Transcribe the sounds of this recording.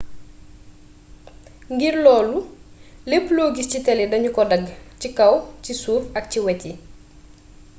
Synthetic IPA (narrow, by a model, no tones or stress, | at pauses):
ŋɡiɾlɔːlulepːloːɡiscitɛlidɐɲukɔdɐɡcikɐwcisuːfɐk̚ciwɛci